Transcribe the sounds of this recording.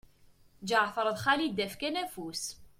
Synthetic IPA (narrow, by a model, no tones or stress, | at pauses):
d͡ʒəʕθəɾˤəðˤχalid̪ːæfkænæfus